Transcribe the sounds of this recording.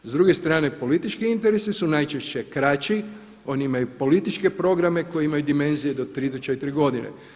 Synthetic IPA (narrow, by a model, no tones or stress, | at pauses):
zd̪ɾuɡe̞st̪ɾaːne̞po̞lit̪it͡ʃkiint̪eɾesisunajt͡ʃeʃt͡ɕe̞kɾat͡ɕi | o̞niimajupo̞lit̪it͡ʃke̞pɾo̞ɡɾame̞ko̞jeimajud̪ime̞nzije̞d̪o̞t̪ɾiːd̪ot͡ʃet̪iɾiɡo̞d̪inḛ